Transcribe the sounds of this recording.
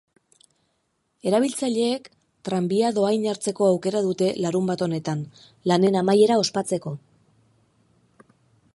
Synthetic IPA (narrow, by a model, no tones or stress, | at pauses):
e̞ɾaβ̞ilt͡saʎe̞ːk | t̪ɾambiaðo̞ajɲaɾt͡se̞ko̞awke̞ɾaðut̪e̞laɾumbat̪o̞ne̞t̪an | lane̞namaje̞ɾao̞spat͡se̞ko̞